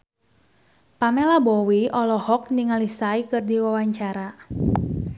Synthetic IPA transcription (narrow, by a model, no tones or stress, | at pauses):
pamɛlabɔwiʔɔlɔhɔk̚niŋalisaikɨrdiwawaɲt͡ʃaɾa